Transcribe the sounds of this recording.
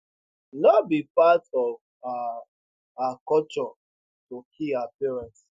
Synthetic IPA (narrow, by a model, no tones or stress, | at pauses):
nɔbipatɔv | akɔt͡ʃɔ | tokʰiapiɹãns